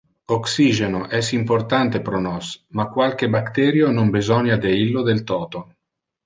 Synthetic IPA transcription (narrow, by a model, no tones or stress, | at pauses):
oksiːʒenoʔɛsimport̪ant̪epɾonɔsmakːwalk̟ebakt̪ɛːɾjonombizɔnjad̪eilːod̪elt̪ɔːt̪o